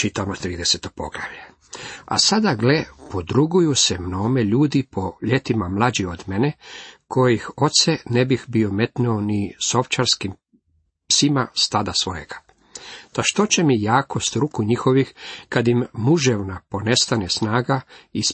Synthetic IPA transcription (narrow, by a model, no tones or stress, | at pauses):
t͡ʃit̪amot̪ɾiːd̪eset̪opo̞̰ɡla̰ʋʎe | a̰sad̪aɡlepod̪ɾuɡujusemno̞ːmeʎuːd̪ipʰo̞ʎe̞t̪imamlˠad͡ʑiod̪menekʰo̞jixo̞t̪senebixbiome̞t̪nuoniso̞ft͡ʃaɾskim | psimast̪ad̪asʋo̞je̞̰ɡ̥ḁ | t̪aʃt̪o̞t͡ɕemijaːkost̪ɾukuɲixo̞ʋixkad̪imːuʒeʋnapo̞ne̞st̪anesnaːɡais